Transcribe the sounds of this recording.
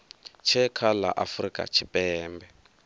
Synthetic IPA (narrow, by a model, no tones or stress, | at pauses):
t͡ʃʰɛkʰala̰ʔafrikʼa̰t͡ʃʰipɛːmbɛ